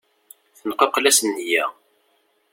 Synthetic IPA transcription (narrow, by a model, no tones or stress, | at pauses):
θənqɑqlæsənhjæ